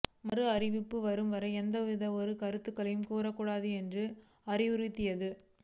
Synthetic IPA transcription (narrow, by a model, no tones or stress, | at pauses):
mɐɾɯɐɾɪʋɪpːɯʋɐɾɯmʋɐɾɐɛnd̪ɐʋɪðɐɔɾɯkɐɾɯt̪ːɯkːɐlɐjɯmkuːɾɐkːuɽaːðɯɛndrɯ | ɐɾɪʋʊɾɪt̪ːɪjɐðɯ